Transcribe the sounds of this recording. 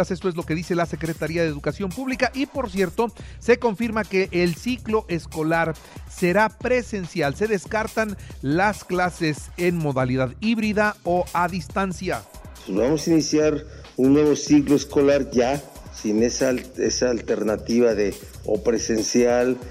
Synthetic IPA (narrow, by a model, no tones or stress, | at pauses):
ase̞st̪oezlo̞ke̞ðise̞lase̞kɾe̞t̪aɾiaðeːðukasjo̞mpuβlikaʔipo̞ɾsje̞ɾt̪o̞se̞ko̞ɱfiɾmake̞ʔelsiklo̞ʔe̞sko̞laɾ | se̞ɾapɾe̞se̞nsjalse̞ðe̞skaɾt̪anlasklase̞se̞nmo̞ðaliðaðiβɾiðao̞ʔaðist̪ansja | bamosainisjaɾ | unːwe̞βo̞sikloesko̞laɾʝa | sinesaḛsaːlt̪eɾnat̪iβaðe | o̰pɾese̞nsjal